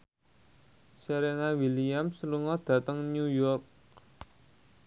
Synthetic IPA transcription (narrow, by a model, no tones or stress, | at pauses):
seɾenawiliamsəluŋɔd̪̥a̤t̪əŋnjujɔrk̚